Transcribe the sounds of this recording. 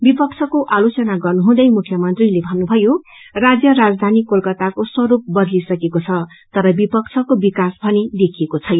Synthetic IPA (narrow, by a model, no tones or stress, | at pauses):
bipʌkt͡sʰʌkoʔalot͡sʌnaɡʌrnuɦũd̪ʌjmukʰːjʌmʌnt̪rilebʱʌnːubʱʌjo | rad͡zjʌɾad͡zd̪ʱanikolkʌt̪akoswʌɾup̚bʌd̪lisʌkekot͡sʰʌ | t̪ʌɾʌbipʌkt͡sʰʌkobikasbʱʌned̪ekʰiekot͡sʰʌj